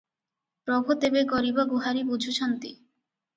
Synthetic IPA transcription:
pɾɔbʱot̪ebeɡɔɾiboɡuɦaɾibud͡ʑʱuʃʰɔnt̪i

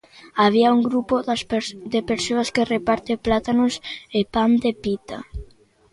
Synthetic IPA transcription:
aβ̞iauŋɡɾupod̪epeɾsoaskerepaɾt̪eplat̪anʊsepand̪epit̪a

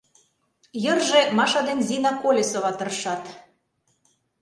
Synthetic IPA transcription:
jə̆rʒemɑʃɑd̪enʲzinɑkolʲesoβɑt̪ɤ̆rʃɑt̪

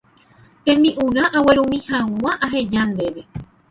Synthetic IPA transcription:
t̪ẽ̞mĩʔũɾaʔawe̞ɾũmĩhãwãʔaɦed͡ʒand̪e̞ɾe

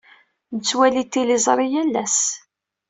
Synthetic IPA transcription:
nət͡sːwælit̪ːilizˤɾˤijælːæ̰s

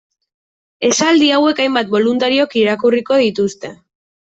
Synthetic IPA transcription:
e̞sald̪iawe̞kajmbat̪̚bo̞lunt̪aɾiokiɾakuriko̞ð̞it̪ust̪e̞

